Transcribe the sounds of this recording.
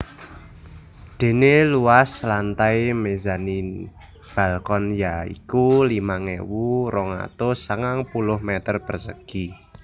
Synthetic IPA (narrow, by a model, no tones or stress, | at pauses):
d̪̥e̤neluwaslant̪ajmezani | b̥a̤lkɔnjaḭkulimaŋewuɾɔŋa̰t̪osəŋaŋpulʊhmet̪ərpərsəɡ̥i